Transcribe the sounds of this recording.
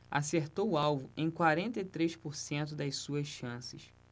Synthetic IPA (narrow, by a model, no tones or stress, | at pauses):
a̰seɾt̪owʊawvʊẽj̃kwaɾẽnt̪ɐit̪ɾejʃpoɾsẽnt̪ʊd̪ɐjsuɐsʃɐ̃sɪʃ